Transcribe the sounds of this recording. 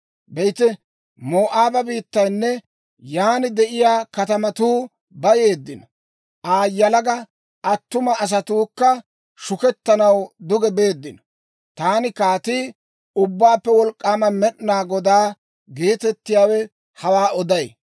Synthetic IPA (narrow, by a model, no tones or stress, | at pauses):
bɛjt̪ɛ | moːʔaːbɐbiːt̪ːɐjnːɛ | jaːnɪd̪ɛʔɪjaːkɐt̪ɐmɐt̪uː | bɐje̞ːd̪ːɪnɔ | ʔaːjːɐlɐɡɐ | ʔɐt̪ːʊmɐːs̬ɐt̪uːkːɐ | ʃʊkɛt̪ːɐnɐwd̪ʊɡɛbe̞ːd̪ːɪnɔ | t̪aːnɪkaːt̪iː | ʊbːaːpːɛwɔlkʼːaːmɐmɛɗnaːɡɔd̪aː | ɡeːt̪ɛt̪ːɪjaːwɛ | hɐwaːɔd̪ɐj